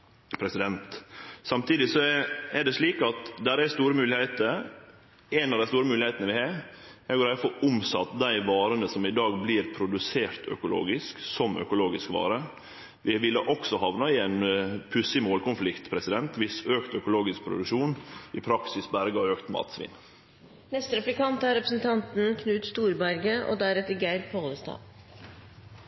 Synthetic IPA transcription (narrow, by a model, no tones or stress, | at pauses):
pʰɾɛsɪd̪ɛnt̪sɑmt̪iːd̪ɪsɔɛɛɖɛʂɭiːkɑt̪d̪æɾæst̪uːɾəmʉːlɪhɛɪt̪əɾ | ɛɪnɑʋd̪æɪst̪uːɾəmʉːlɪheɪt̪ənəʋɪhɑː | ɛɡoːɾæfɔʊmsɑt̪ːd̪æɪʋɑːɾənəsɔmɪd̪ɑːɡbliɾpʰɾʊd̪ʉseːɾt̪ʰœ̰kʊlo̰ːɡɪsksɔmœ̰kʊloːɡɪskʋɑ̰ːɾə | ʋɪʋɪlːəʔɔksɔhɑʋnɑɪæɪnpʰʉsɪmoːlkʊnflɪkt̪pʰɾɛsɪd̪ɛnt̪ʋɪsøːkt̪œkʊloːɡɪsk̚pʰɾʊ̰d̪ʉkʂuːnɪpʰɾɑksɪsbæɾɡɑøːkt̪mɑ̰ːt̪sʋḭːn | nɛst̪əɾɛplɪkɑnt̪ɑɾɛpɾəsn̩t̪ʰɑnt̪n̩kʰnʉːt̪st̪uːɾbæɾɡəʔo̰ːd̪æɾɛt̪ːəɡæɪɾpʰoːləst̪ɑ̰ː